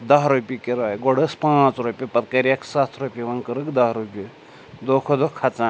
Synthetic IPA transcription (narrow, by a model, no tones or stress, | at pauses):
d̪ɐɦɾupʲikiɾajɡoɽɨspãːt͡sɾupʲipɐt̪kɐɾijɐksat̪ʰɾupʲiʋɐŋkɨɾɨkd̪ɐsɾupʲi | d̪oːkʰod̪okʰɐt͡sãː